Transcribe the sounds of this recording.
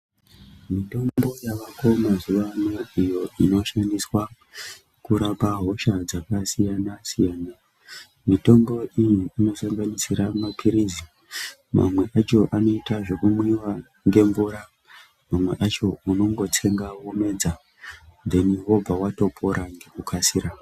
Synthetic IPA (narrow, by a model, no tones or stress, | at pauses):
mito̞bo̞jaʋako̞mazuʋanoijo̞ino̞ʃandiswa | kuɾapaɦo̞ʃad͡zakasijanasijaːna | mito̞mbo̞ʔijiːno̞saŋɡanisiɾamapʰiɾizi | ma̰mwe̞ʔat͡ʃo̞ʔano̞itaʐo̞kumwiwa | ŋɡe̞ɱvuɾa | mamwe̞̰ʔat͡ʃo̞uno̞ŋɡo̞tʰe̞ŋɡawome̞d͡za | nd̪e̞niwo̞b͡vʱawato̞pʰo̞ɾʔaŋɡekukʰasiɾa